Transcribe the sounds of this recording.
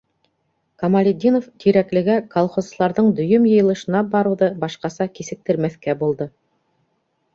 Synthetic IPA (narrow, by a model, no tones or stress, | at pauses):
kɐmalʲed̪ʲinoft̪iɾæklɘ̆ɡækolˠχozlˠɑɾðɤɴd̪ɵ̆jɵmjɤ̆jɤ̆lˠɤ̆ʃɤ̆nɑbɑɾɤ̆wðɤbɑʃqɑsɑkisɘ̆k̚t̪ɘ̆ɾmæθkæbulˠd̪ɤ